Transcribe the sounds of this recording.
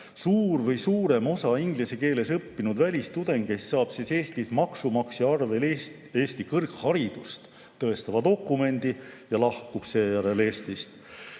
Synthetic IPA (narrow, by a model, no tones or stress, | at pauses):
suːɾvɤjsuːɾe̞mo̞sɑiŋɡ̥liseke̞ːle̞sɤpːinud̪vælʲist̪ud̪̥e̞ŋɡ̥ke̞sːɑːb̥sise̞ːst̪ismɑksumɑksiɑrve̞ls | e̞ːst̪ikɯrkhɑɾid̪̥ust̪ | t̪ːɤe̞st̪ɑvɑd̪o̞kːˑume̞nd̪̥ijɑlɑhkub̥se̞ːjæɾe̞le̞ːst̪ist̪